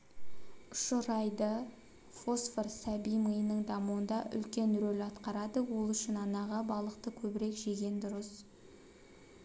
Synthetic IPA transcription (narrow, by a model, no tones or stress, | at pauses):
ʃəɾɑjd̪ə | fo̞sforsæbijməjənəɴd̪ɑmuwənd̪ɑʔʏ̰lkʲe̞nɾɵlɑt̪qɑɾɑd̪əwo̞lˠʏʃɪnɑnɑʁɑbɑlˠəq̚t̪əkʲʰɵbɪɾe̞kʒeɡʲe̞nd̪ʊɾəs